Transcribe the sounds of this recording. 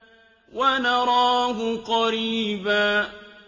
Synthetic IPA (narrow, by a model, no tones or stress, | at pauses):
wanaɾaːɦʊqɑɾiːbaː